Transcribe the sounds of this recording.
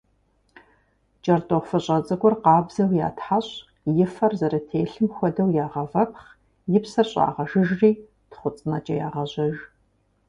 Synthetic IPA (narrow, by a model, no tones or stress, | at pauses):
t͡ʃʼɐrtʼoχʷfɐɕʼɐt͡sʼɐɡʷɔrqɑːbzɐwja̰ːtʰħaɕ | jɪfɐrzɐɾɐtʰeːɬɨmxʷɔdɐwjaːʁɐvɐpχ | jɪpsɐrɕʼa̰ːʁɐʒɪʒriː | tχʷʊt͡sʼnɐt͡ʃʼɐja̰ːʁɐʑɐʒ